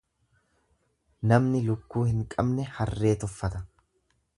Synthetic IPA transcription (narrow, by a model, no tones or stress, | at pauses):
nɐmnɪlʊkːuːhɪŋkʼɐbnɛhɐrːe̞ːt̪ʊfːɐt̪ɐ